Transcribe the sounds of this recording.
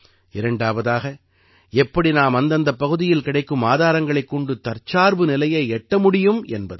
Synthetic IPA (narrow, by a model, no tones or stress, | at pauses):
ɪɾɐɳɖaːʋɐðaːɣɐ | ɛpːɐɽinaːmɐnd̪ɐnd̪ɐpːɐɣɯðɪjɪlkɪɽɐɪkːɯmaːðaːɾɐŋɡɐɭɐɪkːɔɳɖɯt̪ːɐɾt͡ʃːaːɾʋɯnɪlɐjɐɪɛʈːɐmʊɽɪjɯmɛnbɐðɯ